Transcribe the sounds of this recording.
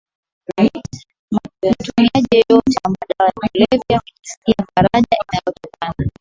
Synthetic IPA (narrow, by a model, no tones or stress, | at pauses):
mmatumiaʄɛɔjɔt͡ʃamaɗawatilɛvjakusi̥kiafaɾaʄaʔinajɔtɔkana